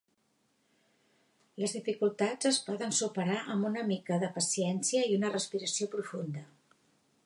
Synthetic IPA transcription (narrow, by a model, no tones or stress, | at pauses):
ləzðifikulˠt̪ad͡zəspɔðənsupəɾaʔəmbunəmikəðəpəsiɛnsiəiunərəspiɾəsiopɾufund̪ə